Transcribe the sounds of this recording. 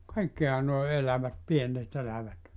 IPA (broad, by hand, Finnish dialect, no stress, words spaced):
kɑikːihɑ noe elæʋæt pienːet elæʋæt